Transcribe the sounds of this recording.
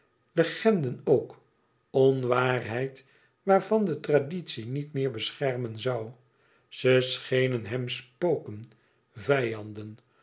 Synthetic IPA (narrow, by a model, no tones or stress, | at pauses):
ləχɛndənowk | ɔnʋaːrɦɛjt | ʋaːɹvɑndətraditsinitmɪːɹbəsχɛɹmənzɑw | z̥əsχejnənɦɛmspowkən | vɛjɑndən